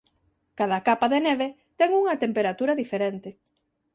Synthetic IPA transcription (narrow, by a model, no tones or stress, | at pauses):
kaðɐkapaðeneβ̞e | t̪ɛŋuŋɐt̪empeɾat̪uɾaðifeɾent̪ɪ